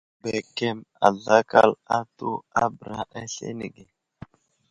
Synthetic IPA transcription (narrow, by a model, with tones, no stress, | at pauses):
bɛ˨kɛ˦ma̰˨lːa˦ka˦la˦t̪u˦a˦bɾa˨ɛ˦ɬḛ˦nḭ˨ɡe˨